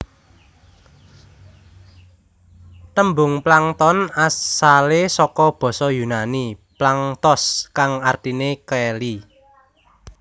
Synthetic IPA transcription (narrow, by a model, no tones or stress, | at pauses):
t̪əmbʊŋplaŋt̪ɔnasalesɔkɔb̥ɔ̤sɔjunaniplaŋt̪ɔskaŋart̪inekɛli